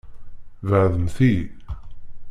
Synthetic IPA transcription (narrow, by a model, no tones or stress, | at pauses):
vəʕðəmθi